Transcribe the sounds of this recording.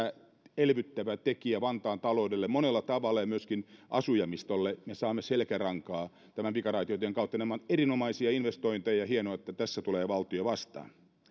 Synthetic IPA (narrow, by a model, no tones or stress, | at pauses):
æ | elʋyt̪ːæʋæt̪ekiæʋɑnt̪ɑːnt̪ɑloudelːemmonelːɑt̪ɑʋɑlːɑjɑmyøskinʔɑ̰sujɑmist̪olːemesɑːmːeselkærɑŋkɑː | t̪æmæmpikɑrɑit̪iot̪eŋkɑut̪ːɑnemːɑnerinomɑisiɑinʋest̪oint̪ejɑhienoɑet̪ːæt̪æsːæt̪uleːʋɑlt̪ioɑʋɑst̪ɑ̰ːn